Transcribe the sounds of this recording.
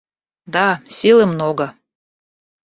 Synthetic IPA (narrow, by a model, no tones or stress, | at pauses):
d̪ɑsʲilə̆mnoɡɤ